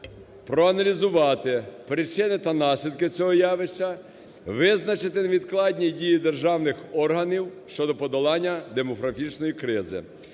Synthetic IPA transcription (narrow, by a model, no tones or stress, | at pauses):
pɾɔɐnɐlʲizʊʋɑt̪ɪpɾɪt͡ʃɪnɪt̪ɐnɑsʲlʲid̪̚kɪt͡sʲɔɦɔjɑʋɪʃt͡ʃɐ | ʋɪznɐt͡ʃɪt̪ɪnʋʲid̪klˠɑdʲnʲidʲijid̪erʒɑwnɪxɔrɦɐnʲiwʃt͡ʃɔd̪ɔpɔd̪ɔlˠɑnʲːɐd̪emɔɦɾɐfʲit͡ʃnɔjikɾɪzɪ̰